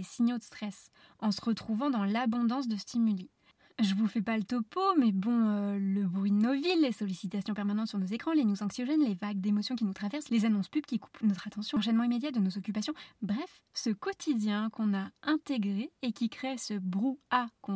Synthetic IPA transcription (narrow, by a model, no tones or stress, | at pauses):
esiɲjod̪əst̪χɛs | ɑ̃səʁət̪χuvɑ̃d̪ɑ̃labɔ̃d̪ɑ̃s̬d̪əst̪imyli | ʒəvufɛpalət̪ɔpomɛbɔ̃øləbʁɥid̪ənovilːesɔlisit̪asjɔ̃pɛʁmanɑ̃t̪syʁnozekχɑ̃lenjuzɑ̃ksjɔʒɛnlevaɡ̚d̪emɔsjɔ̃kʲinut̪χavɛʁslezanɔ̃spybkʲiku̥pnɔt̪χat̪ɑ̃sjɔ̃ʃ̬ɛnmɑ̃imed̪jat̪̚d̪ənozɔkʲypasjɔ̃bʁɛf | səkɔt̪ʰid̪jɛ̃kɔ̃naɛ̃t̪eɡʁeːkʲikχesəbʁuakɔ̃